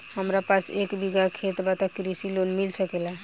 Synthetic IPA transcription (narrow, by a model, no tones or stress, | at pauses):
ɦəmɾapãt͡ʃekbiɡakʰet̪bat̪akɾisilonmilsʰəkela